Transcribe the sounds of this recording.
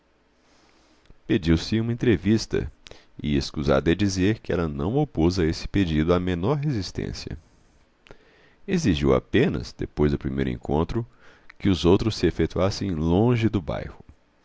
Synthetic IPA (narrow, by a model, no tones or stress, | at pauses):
ped͡ʒiwsɪũmɐẽnt̪ɾevist̪ɐ̰ | ɪ̰eskuza̰d̪ɐɐd͡ʒizeɾkɪɛlɐnɐ̰̃w̃opozɐesɪ̥ped͡ʒid̪ʊamẽnɔɾɦezist̪ḛ̃siɐ̰ | eziʒiwa̰pẽnɐ̰zd̪ḛpojzd̪ʊpɾimḛjɾʊḛ̃kʰõ̰nt̪ɾʊ | kɪʊzowt̪ɾʊsːɪefekt̪uasẽj̃lõʒɪd̪ʊba̰jhʊ